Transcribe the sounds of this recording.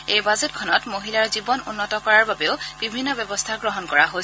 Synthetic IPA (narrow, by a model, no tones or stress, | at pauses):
ejbazetkʰɔnɔtmoɦilaɹzibɔnunːɔtɔkɔɹaɹbabeʊb̥ibʱinːɔbɔbɔstʰaɡɹɔɦɔnkɔɹaɦo